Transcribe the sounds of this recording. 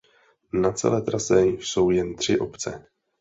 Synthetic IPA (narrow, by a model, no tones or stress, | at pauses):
nat͡sɛ̰lɛːt̪ɾasɛso̞wjɛnt̪r̝̥ɪʔo̞pt͡sɛ̰